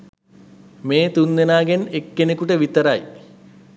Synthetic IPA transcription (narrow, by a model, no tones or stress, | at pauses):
meːt̪unːenaːɡenekːenekuʈəʋit̪ɐɾaj